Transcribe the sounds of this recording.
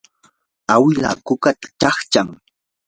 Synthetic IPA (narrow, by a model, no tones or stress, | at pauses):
awɪla̰kʊkat̪ḁt͡ʃɑχt͡ʃaŋ